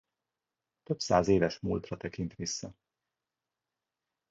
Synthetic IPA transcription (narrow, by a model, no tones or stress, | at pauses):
t̪ø̞bsaːzeːvɛʃmuːlt̪rɒt̪ɛkint̪ʋisːɒ